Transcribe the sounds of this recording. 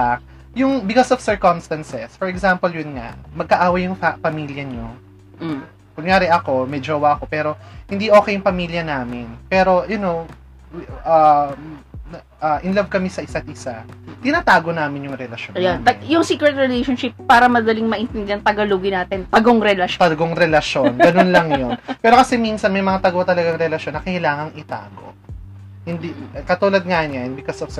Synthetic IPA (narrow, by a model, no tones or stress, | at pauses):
ak̚ | jʊŋbɪkosɔfsɛɹkɔmst̪ɐnsɛsfɔɹɛɡsampoljʊnŋa̰ʔmɐɡ̚kɐʔaːwɐjːʊŋɐpɐmiːljɐɲo | kʊŋjaːɾɪʔɐko̞mɛd͡ʒoːwɐʔɐko̞pɛːɾo̞hɪnd̪iʔo̞ːkɛjʊŋpɐmiljɐnaːmɪnpɛːɾo̞jʊnow | ʔɐ | ʔɐʔɪnlɐvkɐmɛsɐʔɪsat̪̚ʔɪsat̪ɪnaːt̪aːɡonaːmɪnjʊŋɾɛlɐʃjonjajʊŋsiːkɾɛt̪ɾɛlejʃonʃɪpːaːɾɐmɐd̪ɐliŋmɐʔɪnt̪ɛnd̪ɛɐŋt̪ɐɡɐluːɡɪnaːt̪ɪnt̪ɐɡoŋɾɛlɐʃt̪ɐɡoŋɾɛlɐʃjonɡɐnonlɐŋjonpɛːɾokɐsɛminsɐnmɐjmɐŋat̪ɐɡot̪ɐlɐɡɐŋɾɛlɐʃonːɐkɐɪlaːŋɐŋɪt̪a̰ːɡo̰ | hɪnd̪ikɐt̪uːlɐd̪̚ŋanɲɐnbɪkosofs